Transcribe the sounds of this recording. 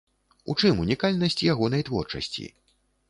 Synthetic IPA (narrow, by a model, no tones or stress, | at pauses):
ṵt͡ʂɨmunʲikalʲnɐsʲt͡sʲjaɣɔnɐjt̪vɔrt͡ʂɐ̰sʲt͡sʲḭ